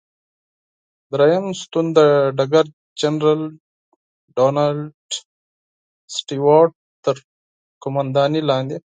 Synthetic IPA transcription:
d̪ɾɐjɐmst̪und̪əɖaɡaɾ | d͡ʒɐnɾal | ɖoːnalɖ | sʈiwaːʈ̚ | t̪əɾ | kʊmand̪ɑːnilɑːnd̪i

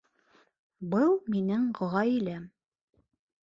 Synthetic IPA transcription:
bɤlˠminɘɴɢŏʁɑjilæm

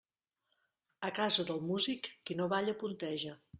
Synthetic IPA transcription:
əkazəðəlˠmuzikːinoβaʎəpunt̪ɛʒə

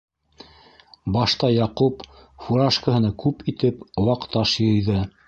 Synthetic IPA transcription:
bɑʃt̪ɑjɑqupfuɾɑʃkəɦɤ̆nɑkʉpit̪ɘpŏwɑqt̪ɑʃjɤ̆jðɤ

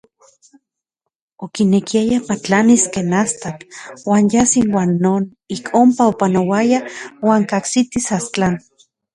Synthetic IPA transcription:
okinekiajapat͡ɬaniskeːnast̪akwaːnjasinwaːnːoːn | ikʰompaopanowajawaːŋkaksit̪isast͡ɬan

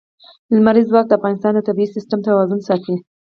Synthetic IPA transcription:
lmaɾizwɑk̚d̪əafɣɑnɪst̪ɑnd̪ət̪abiisɪstamt̪awɑzʊnsɑt̪i

